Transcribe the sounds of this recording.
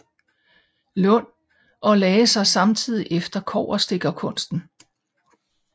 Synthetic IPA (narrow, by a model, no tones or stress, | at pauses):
lɔ̽n̰ | ʔɒ̽lɛːəsɑ̈ɪsɑ̈mt͡sʰið̰ˠiʔefd̥ɐkʰɒ̰ːɐsd̥e̝ɡ̥ɐkʰɔ̽n̰sd̥n̩